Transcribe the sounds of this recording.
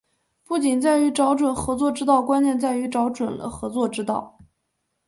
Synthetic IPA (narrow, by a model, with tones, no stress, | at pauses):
pu˥˩t͡ɕi˨˩nt͡sa˥˩ɪy˧˥ʈ͡ʂɑ˧˥ʊʈ͡ʂwə˨˩nxɤ˧˥t͡swɔ˥˧ʈ͡ʂɻ̩˥t̪ɑ˥˩ʊkwa˥njɛ˥˧nt͡sa˥˩ɪy˧˥ʈ͡ʂɑ˧˥ʊʈ͡ʂwə˨˩nlə̰˦xɤ˧˥t͡swɔ˥˩ʈ͡ʂɻ̩˥t̪ɑ˥˩ʊ